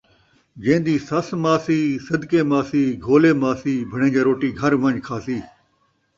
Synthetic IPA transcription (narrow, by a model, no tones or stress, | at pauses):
d͡ʒẽːnd̪iːsɐsmaːsiːsɐd̪keːmaːsiːɡʱoːleːmaːsiːbʱəɽ̃ẽːd͡ʒaːɾoːʈiːɡʱɐɾʋə̃ɲkʰaːsiː